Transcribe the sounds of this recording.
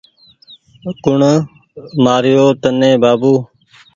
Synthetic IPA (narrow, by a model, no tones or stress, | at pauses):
kʊɳ | maːɾɪjoːt̪ənːẽːbaːbuː